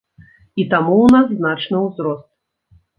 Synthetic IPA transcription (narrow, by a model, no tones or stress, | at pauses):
it̪amuwnasːnat͡ʂnɨwzɾɔst̪̚